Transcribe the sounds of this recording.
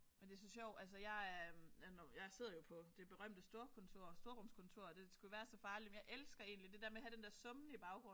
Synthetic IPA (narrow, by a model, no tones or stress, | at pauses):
mend̥e̝s̬ɒ̽ɕɒʊ̰ælsəjɑ̈ɪænjɑ̈ɪse̝ð̰ˠɐjo̝pʰɒ̽d̥e̝b̥e̝ʁɶm̰d̥əsd̥o̝ːɐkʰɔ̽nt͡sʰo̝ɐ̰sd̥o̝ɐʁɔ̽m̰skʰɔ̽nt͡sʰo̝ɐ̰d̥e̝sɡ̥ujʋæːɐsɒ̽fɑ̈ːlimenjɑ̈ɪʔelsɡ̥ɐe̝̰ːnlid̥e̝d̥æɐmeɦhæɾ̥end̥eɐsɔ̽mnəib̥ɑ̈ʊɡ̥ʁɔ̽n